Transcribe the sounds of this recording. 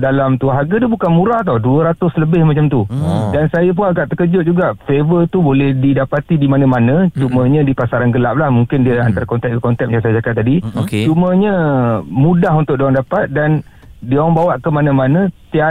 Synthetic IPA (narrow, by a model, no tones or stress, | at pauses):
dalamt̪uɦaɡadiəbukanmũɾaht̪awduəɾat̪ʊsləbɪhmat͡ʃamt̪udansajap̬ʊnaɡaʔ̪əkəd͡ʒʊt̪̚d͡ʒuɡaʔfevət̪ubolɛhdidapat̪idimanə̃manə̃t͡ʃumə̃ɲə̃dipasaɾanɡəlap̚lahmuŋkɪndiəant̪aɾakɔnt̪ɛʔk̚əkɔnt̪ɛk̚mət͡ʃamsajəd͡ʒakaʔt̪ːadikt͡ʃumə̃ɲə̃mũdaɦunt̪ʊʔ̚doaŋdapat̪̚dan | dioŋbawaʔkəmanãmanə̃t̪ia